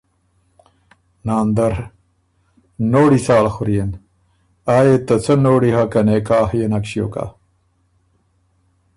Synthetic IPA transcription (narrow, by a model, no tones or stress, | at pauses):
naːnd̪ɐɾ | noːɽisaːlxuɾijen | aːjet̪ɐt͡sʰɐnoːɽiɦɐkɐnekaːɦjenɐkɕijo̰ːka̰